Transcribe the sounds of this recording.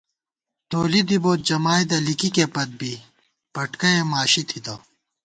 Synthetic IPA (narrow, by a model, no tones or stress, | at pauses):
t̪oːlid̪iboːt̪̚d͡ʑɐmaːed̪ɐlikikepɐt̪̚bʱi | pɐʈkɐemaːɕit̪ʰit̪o